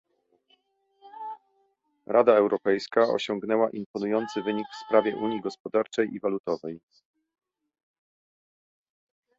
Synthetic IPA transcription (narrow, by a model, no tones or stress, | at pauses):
ɾad̪aɛwɾʔɔpɛjskaɔ̰ɕɔŋɡnɛwaʔimpɔnujɔnt̪sɘvɘɲikfspɾavʲjɛʔuɲjiɡɔspɔd̪aɾt͡ʂɛjʔivalut̪ɔvɛj